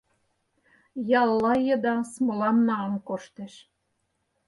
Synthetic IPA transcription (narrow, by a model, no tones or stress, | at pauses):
jɑlːɑjə̆d̪ɑsmɤlɑmnɑɑnkoʃt̪eʃ